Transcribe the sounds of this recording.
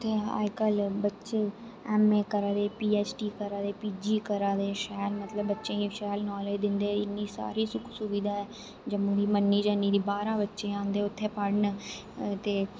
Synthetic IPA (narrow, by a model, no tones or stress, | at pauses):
t̪ʰːeːa̰ːd͡ʒkəlbətːʃeː | ɛːmẽːkəɾaːd̪eːpiːɛːt͡ʃʈiːkəɾaːd̪eːpiːd͡ʒiːkəɾaːd̪eːʃɛːlmət̪ləbːətːʃẽːĩʃɛːlnaːleːd̪ɪnd̪eːɪnːiːsa̰ːɾiːsʊkʰsʊbid̪aːɛː | d͡ʒəmːõːd̪iːmənːiːd͡ʒanːiːd̪iːbaːɾãːbətːʃeːãːnd̪eːʊt̪ʰːeːpəɽn | t̪eː